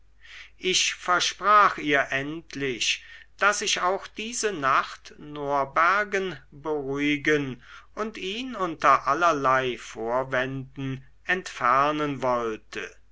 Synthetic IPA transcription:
ʔɪʃfɛɐʃpʁ̥aːxiːɐʔɛntʰlɪʃd̥asɪʃaʊxd̥iːzənaχtnoːɐbæɐɡənbəʁuɪɡənʔʊntiːnʊntɐʔalɐlaɪfoːɐvɛndn̩ | ʔɛntfɛɐnənvɔltʰə̰

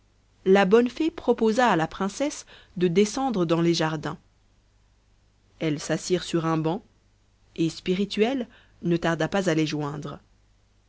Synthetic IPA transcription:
labɔnfepχɔpozaːlapχɛ̃sɛs | d̪əd̪esɑ̃d̪ʁəd̪ɑ̃leʒaʁd̪ɛ̃ | ɛlsasiʁsyʁɛ̃bɑ̃ | espiʁit̪ɥɛl | nət̪aʁd̪apazaleʒwɛ̃d̪ʁ

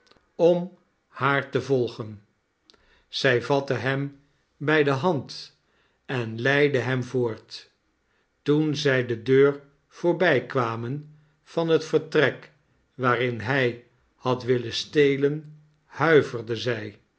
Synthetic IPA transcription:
ɔm | haːɹtəvɔlˠχən | z̥ɛjvɑtəɦɛm | bɛjdəɦɑnt | ɛnlɛjdəɦɛmvoːɹt | tunzɛjdədøːɹ | v̥ʊːɹbɛjkʋaːmən | v̥ɑnɦətfəɹtrɛk | ʋaːrɪnɦɛj | hɑtʋɪləstejlən | hœɥvərdəzɛj

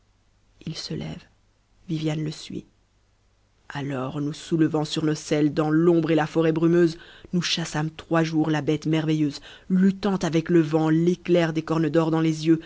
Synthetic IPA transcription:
ilsəlʔɛ̰v | vivjanləsɥḭ | alɔʁnusuləvɑ̃syʁnosɛld̪ɑ̃lɔ̃bʁelafɔʁɛbʁymøznuʃasamt̪χwaʒuʁlabɛt̪mɛʁvɛjøːz | lyt̪ɑ̃t̪avɛkləvɑ̃leklɛʁd̪ekɔʁnəd̪ɔʁd̪ɑ̃lezjø

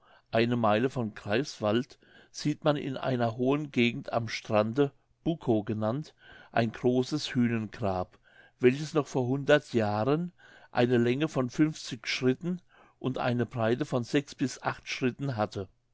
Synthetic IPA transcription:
ʔaɪnəmaɪləfɔnkʁ̥aɪsv̥alt | z̥iːtmanɪ̰nʔa̰ɪnɐɦoːənɡeːɡŋ̩tʰa̰mʃtʁ̥andə | b̥ukʰoɡənantʔaɪnɡʁoːsəshyːnənɡʁaːp | v̥ɛlçəsnɔχfoːɐhʊndɐtʰjaːʁənʔa̰ɪnəlɛŋəfɔnfʏnft͡sɪçʃʁ̥ɪtn̩ | ʔʊntʔa̰ɪnəbʁaɪtəfɔnzɛksb̥ɪsʔaχtʃʁ̥ɪtn̩ɦatʰə

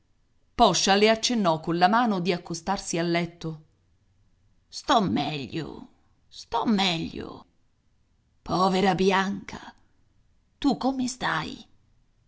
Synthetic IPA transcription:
pɔʃːaleat͡ʃːenːɔkːonlamaːnod̪iakːost̪arsialːɛt̪ːo | st̪ɔmːɛʎːo̰ | st̪ɔmːɛʎːo̰ | pʰɔːveɾabjaŋkʰa | t̪ukːomest̪aj

